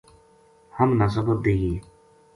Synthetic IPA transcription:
həmnas̬əbət̚d̪eːɡiː

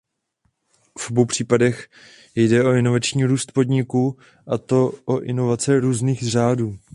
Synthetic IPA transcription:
fobowpr̝̥iːpadɛx | jdɛo̞ɪno̞vat͡ʃɲiːɾuːst̪po̞dɲɪkuː | ʔat̪o̞ʔoʔɪno̞vat͡sɛɾuːzniːxr̝aːduː

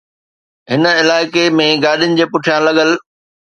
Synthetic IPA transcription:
ɦɪnəɪlaːɪkemẽɡaːɗijʊnɪ̆d͡ʑeːpʊʈʰijãlɐɠəl

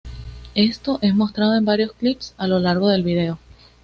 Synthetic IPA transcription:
e̞st̪o̞ʔe̞smo̞st̪ɾað̞o̞embaɾjosklipsalo̞laɾɣ̞o̞ðe̞lβið̞e̞o̞

